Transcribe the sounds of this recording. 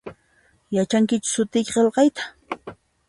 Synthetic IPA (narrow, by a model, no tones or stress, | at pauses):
jat͡ʃaŋkɪt͡ʃʊ̥sʊt̪ɪjkqelqɑjt̪ḁ